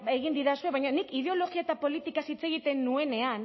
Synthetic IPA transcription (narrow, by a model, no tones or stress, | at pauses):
eɣind̪iðasue̞βajɲanikið̞e̞o̞lo̞ɣiaet̪apo̞lit̪ikasit͡se̞ɣit̪e̞nːue̞ne̞an